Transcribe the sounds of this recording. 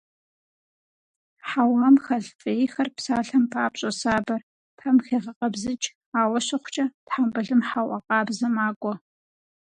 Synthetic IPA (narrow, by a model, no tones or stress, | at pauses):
ħawaːmxɐɮfʼɐjxɐrpsaːɬɐmpʰaːpɕʼɐsaːbɐr | pʰɐmxeːʁɐqʼɐbzɨt͡ʃʼ | aːwɐɕɪχʷt͡ʃʼɐtħambɨɮɨmħawʔɐqʼɑːbzɐmaːkʷʼɔ